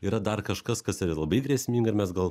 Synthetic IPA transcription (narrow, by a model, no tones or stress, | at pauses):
iːɾɐd̪ɐrkɐʃkɐskɐsɪɾɐlˠɐbɐɪd̪ʲɾʲɛːsʲmʲiːŋɡɐɪɾmʲɛsɡɐlˠ